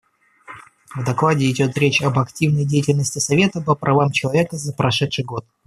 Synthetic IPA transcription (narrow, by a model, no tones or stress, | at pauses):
vd̪ɐklˠadʲɪɪdʲo̞t̪ɾʲet͡ɕɐbɐktʲivnəjdʲejtʲɪlʲnəsʲtʲɪsɐvʲe̞t̪əpəpɾʔɐvamt͡ɕɪlˠɐvʲe̞kəzəpɾɐʂɛt̪ʂɨjɡo̞t̪̚